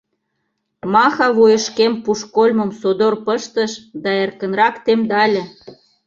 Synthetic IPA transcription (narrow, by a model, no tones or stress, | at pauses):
mɑxɑβujə̆ʃkempuʃkolʲmə̆msod̪orpəʃt̪əʃd̪ɑerkə̆nrɑkt̪emd̪ɑlʲĕ